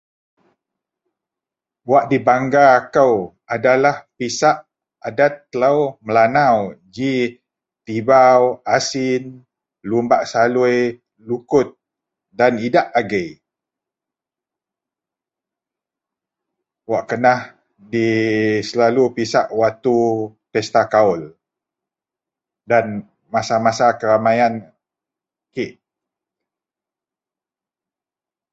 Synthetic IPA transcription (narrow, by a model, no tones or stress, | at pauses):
waʔdibaŋɡaːkəw | adalahpisaʔ | adat̪ːəlawməlanawd͡ʒi | t̪ibawasin | lumbaʔsaluj | lukʊt̪̚ | danidaʔaɡəj | waʔkənah | disəlalupisaʔwat̪upɛst̪akaul | dan | masamasakəɾamajan | kiʔ